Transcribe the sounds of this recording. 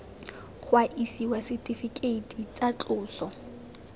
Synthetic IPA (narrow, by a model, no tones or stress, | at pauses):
χʰwaʔisiwasɪtʼifikʼeitʰʼit͡sat͡ɬʼʊːsɔ